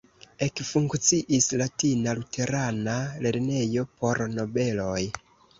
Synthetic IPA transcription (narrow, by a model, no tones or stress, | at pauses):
e̞kfuŋkt͡siʔislatinalutʰe̞ɾanale̞ɾne̞jo̞po̞ɾno̞be̞lo̞j